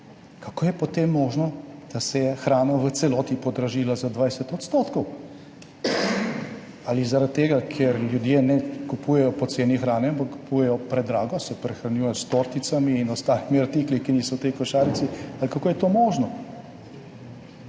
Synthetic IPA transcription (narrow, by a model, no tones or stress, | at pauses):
kakoːjɛpɔt̪emːɔːʒnɔd̪̥asɛjɛxɾaːnɔʋət̪sɛlɔːt̪ipɔd̪ɾaʒiːlazad̪ʋajsɛt̪ɔt̪st̪oːt̪kɔw | alizaɾat̪t̪ːeːɡakʰeɾljud̪jeːnɛkupuːjɛjɔpɔt̪seːnixɾaːnɛampakkːu̥pujɛjɔpɾɛd̪ɾaːɡɔsɛpɾɛxɾanjujɛjɔst̪oɾt̪it̪samiːnɔst̪aːlimiaɾt̪iklikiniːsɔwt̪ɛjkɔʃaːɾit̪sialikakoːjɛt̪oːmɔːʒnɔ